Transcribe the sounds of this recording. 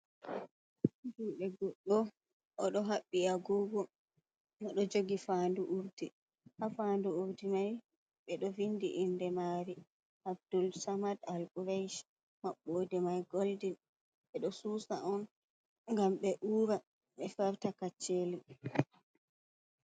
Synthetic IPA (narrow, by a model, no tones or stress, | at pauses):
d͡ʒuɗɛɡɔɗːɔ | ʔɔɗɔɦaɓːiaɡɔːɡɔ | ɔɗɔd͡ʒoɡifanduʔuɾdi | hafanduuɾdimaj | ɓɛɗɔvindḭʔːndɛmaɾi | ʔabd̥ulsamadalbuɾajʃ | maɓːoːdɛmajɡoldin | ɓɛɗɔsuːsaʔɔn | ŋɡamɓɛʔuːɾa | ɓɛfaɾtakat͡ʃːeːli